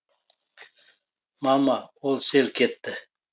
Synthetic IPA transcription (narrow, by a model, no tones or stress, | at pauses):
mɑmɑolˠselkʰʲet̪ːɪ